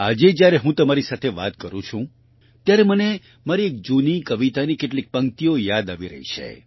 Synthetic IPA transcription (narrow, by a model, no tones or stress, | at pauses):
ad͡ʒed͡ʒjaɾeɦũt̪əmaɾisat̪ʰeʋa̰t̪kəɾũt͡ʃʰũ | t̪jaɾeməne | maɾiek̚d͡ʒunikəʋit̪anikeʈlik̚pə̃ŋ̚t̪iojad̪aʋiɾə̰ɦḭt͡ʃʰḛ